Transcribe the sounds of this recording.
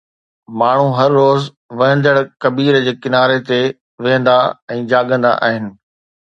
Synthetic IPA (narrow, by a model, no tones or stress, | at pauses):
maːɳ̤uɦɐɾːoːz | ʋɐ̃ɦə̃nd̪əɽkɐbiːɾd͡ʑeːkɪnaːɾet̪e | ʋɪɦə̃nd̪aɛ̃ːd͡ʑaːɠə̃nd̪a̰ʔa̰ːɦɪnɪ̆